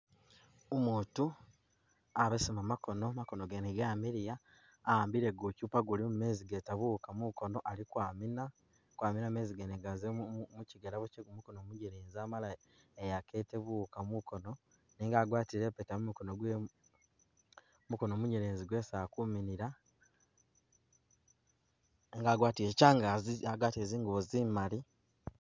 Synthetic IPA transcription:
omuːtu | aβesimamako̞no̞makonoɡeneɡaːmiɾijaː | aːmbiɾe̞ɡucuːpaɡulimume̞ːziɡetaβukamuko̞no̞ʔalikwamina | kwaːminameːziɡeneɡazemuciɡeɾaβumukonomuɲeɾeːnziamala | ejake̞teβukamuko̞no̞ | niːŋɡaːɡwaːtiɾepetamumukonoɡwe | muko̞noːmuɲeɾeːnziɡwesaːkuminiɾa | eŋɡaːɡwaːtiɾecaːŋɡaiaɡwaːtieːziːŋɡuβozimali

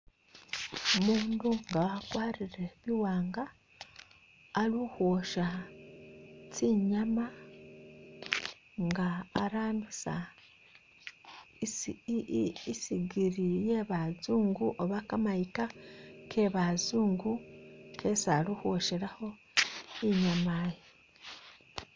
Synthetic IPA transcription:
omuːnduŋɡaakwaːɾiɾe̞βiwaːŋɡa | ɾuhwoʃa | t͡siɲama | ŋɡaːɾaːnusa̰ | siɡiɾijeβazuːŋɡuʔoβakamaikakʰeβazuːŋɡukʰesaluhoʃeɾaho̞ | iɲamaje

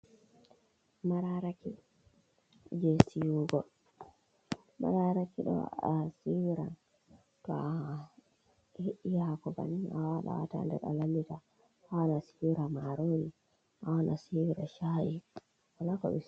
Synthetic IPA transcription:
maɾaɾaki | d͡ʒɛsijuɡɔ | ma̰ɾaɾakiɗɔ̰asiwiɾan | tɔa | heʔːihakɔba̰niawaɗa̰wata̰ndɛ̰ɾa̰lamːita | hawanasiiɾamaɾoni | ʔawanasiwɾaʃaʔi | walakɔɓɛ

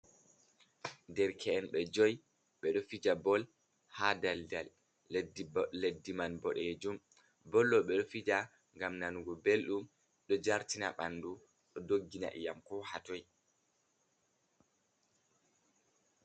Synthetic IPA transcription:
dɛɾkʰɛɛnɓɛd͡ʒɔj | ɓɛɗɔfid͡ʒabɔl | hadaldal | dːedːimanbɔɗed͡ʒum | bɔlːɔɓɛɗɔfid͡ʒa | ŋɡamnanuɡɔbelɗum | ɗɔd͡ʒaɾtina̰ɓanːdu | ɗɔdoɡːina̰ʔḭjamkɔhatɔj

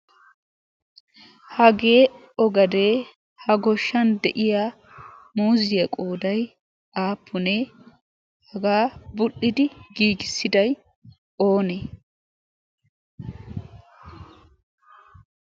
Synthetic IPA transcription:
hɐɡe̞ː | ɔɡɐd̪e̞ː | hɐɡɔʃːɐnd̪ɛʔɪjaː | muːzɪjɐkʼoːd̪ɐj | aːpʰːʊneː | hɐɡaːbʊɗːɪd̪ɪɡiːɡɪsːɪd̪ɐj | o̞ːneː

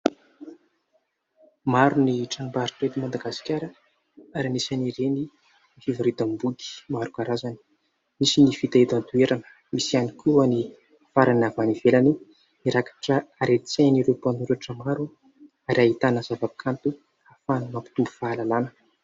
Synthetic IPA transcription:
maɾuniʈ͡ʂabaɾiʈ͡ʂet̪imand̪aɡasi̥kʲaɾə | aɾimisaniɾeni | nifivaɾit̪ambud̪i̥maɾukaɾazani̥ | misinifit̪ait̪ant̪ueɾanə̥ | misianikuani | faɾanavanivelani | iɾakḁʈ͡ʂəaɾet͡seniɾepanuɾaʈ͡ʂəmaɾu | aɾiaɦit̪anəzavapi̥kʰant̪u | afanumampi̥t̪umbu̥faːlalanə̥

